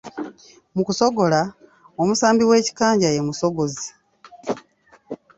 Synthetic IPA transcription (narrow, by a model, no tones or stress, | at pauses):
mukuso̞ɡo̞la | omusaːmbiwe̞ːci̥kaːɲɟaje̞muso̞ɡozi